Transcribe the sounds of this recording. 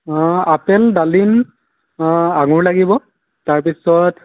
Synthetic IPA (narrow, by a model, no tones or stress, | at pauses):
apɛldalin | aɡʊɹlaɡibɔ | taɹpisɔt